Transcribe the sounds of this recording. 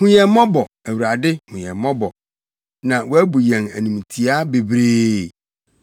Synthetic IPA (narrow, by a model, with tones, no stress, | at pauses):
hũ˨ɲɛ̃˨m˦mɔ̃˦bɔ˨ | æ˨wu˨ɾa˨dɪ˦hũ˨ɲɛ̃˨mɔ̃˦bɔ˨ | nã˨wɔ˦æ˦bu˨jɛ̃˨næ̰˨nĩ˨mĩ˨tʰi˨a˦be˨bɾeː˦˨